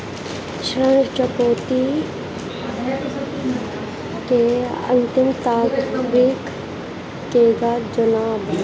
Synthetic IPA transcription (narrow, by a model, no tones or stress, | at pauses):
ʃɾəɳt͡ʃəpoːt̪i | keɐ̰nt̪ɪmt̪aːkɾikː | eːɡad͡ʒɐnaːb